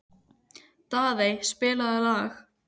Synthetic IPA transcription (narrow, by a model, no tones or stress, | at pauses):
t̪aːðejspɪːlaðalaːx